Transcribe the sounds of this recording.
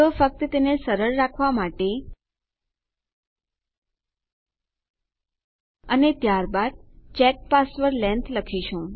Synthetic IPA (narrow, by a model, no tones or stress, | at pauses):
əfək̚t̪ət̪enesəɾəɭːakʰʋamaʈe | ənet̪jaɾbad̪̚t͡ʃɛk̚pasʋəɾlɛ̃nt̪ʰləkʰiʃũ